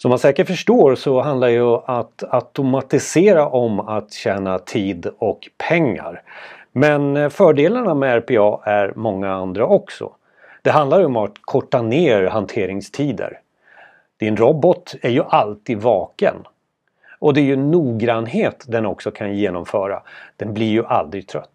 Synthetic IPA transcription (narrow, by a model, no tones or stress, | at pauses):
sɔmːansɛːkəʈfœʂʈoːɾsɔɦand̪laɖɛjɵat̪at̪ʊmat̪ɪseːɾaʔɔmat̪ɕɛːnat̪ʰiːd̪ɔkpʰɛŋːa̰ɾmɛnfœːɖeːlaɳamɛæɾpʰeːɑːʔæɾmɔŋːaand̪ɾaʔɔksɔ̰ | d̪̥ɛɦand̪laɾjəɔmat̪kʰɔʈːaneːɾɦant̪ʰeːɾɪŋst̪ʰiːd̪ə̰ɾ | d̪̥ɪnɾɔbɔt̪æɾjɵʔalt̪ʰiːd̪vɑːkə̰n | ʔɔd̪ɛæɾjɵnːuːɡɾanɦeːt̪d̪ɛnɔksɔkʰanjeːnɔmfœːɾa̰d̪̥ɛnblɪɾjɵʔald̪ɾɪɡ̚t̪ʰɾœ̰t̪ː